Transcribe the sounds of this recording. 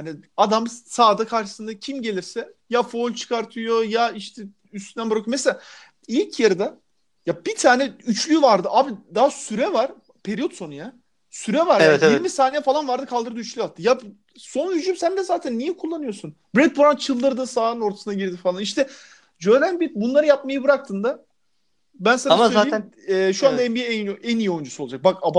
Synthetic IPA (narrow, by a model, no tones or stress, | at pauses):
aniad̪amsaːd̪akʰaɾʃɯ̥sɯnd̪acʰimɟe̞lʲiɾsɛjafolʲt͡ʃʰɯ̥kʰaɾt̪ʰɯjo̞jaiʃt̪ʰɛ | yst̪ynænbɾokʰumeselʲa | ilʲcʰjaɾɯd̪a | jab̥it̪ʰaːnɛyt͡ʃlʲyvaɾd̪ɯʔabid̪aɦasyɾɛvaɾ | pʰeɾijo̞t̪so̞nuja | syɾɛvaɾjɛaɛiɾmisaːnʲijɛfalˠanvaɾd̪ɯkʰalˠd̪ɯɾd̪ɯyt͡ʃlʲyjat̪ʰːɯja | so̞nhyd͡ʒymsænd̪ɛzaːt̪ʰænːijɛkʰulˠːanɯjoɾsun | bɾɛd̪̚buɾant͡ʃʰɯlˠd̪ɯɾd̪ɯsaːnɯno̞ɾt̪ʰḁsɯnaɟiɾd̪ifalˠaniʃt̪ʰɛ | d͡ʒølʲænbibunlˠaɾɯjap̚majɯbɯɾak̚t̪ʰɯnd̪a | bænsanaaːei | ɛʃuand̪aɛbijɛɛɛnijio̞jund͡ʒusuod͡ʒak̚bakaba